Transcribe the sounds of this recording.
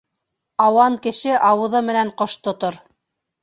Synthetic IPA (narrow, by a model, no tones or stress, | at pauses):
ɑwɑŋkɘ̆ʃɘʔɑwɤ̆ðɤmɘ̆næɴqoʃt̪ŏt̪oɾ